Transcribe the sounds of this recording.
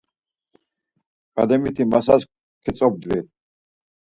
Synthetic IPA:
kʼad̪ɛmit̪ʰimasas | kʰɛsʼɔb̚d̪vɛ

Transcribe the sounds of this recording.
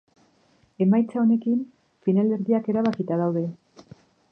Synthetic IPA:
e̞majt͡sao̞ne̞kim | finale̞ɾðiake̞ɾaβakit̪aðawðe̞

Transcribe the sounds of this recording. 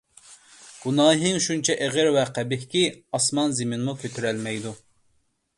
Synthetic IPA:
ɡ̥unɑːɦɨŋʃunt͡ʃʰɛʔeʁɪɾwɛqʰæbɪhkʲiɑsmɑnzɪmɪnmukʲʰøt̪ʰyɾɛlmɛjd̪u

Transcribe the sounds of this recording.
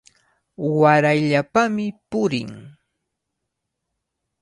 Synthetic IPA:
waɾajʎapamɪpʊɾɪ̰ŋ

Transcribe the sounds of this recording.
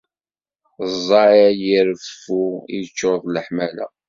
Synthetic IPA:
zˤːɑæjiɾəffuḭt͡ʃːoɾðˤləħmælæ̰

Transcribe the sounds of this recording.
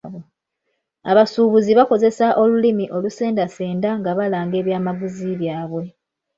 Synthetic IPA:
βo | a̰βasuːβuziβako̞ze̞saʔo̞lulimiʔo̞luse̞ːndase̞ːndaŋɡaβalaːŋɡe̞ːβjaːmaɡuziβjaːβwe̞

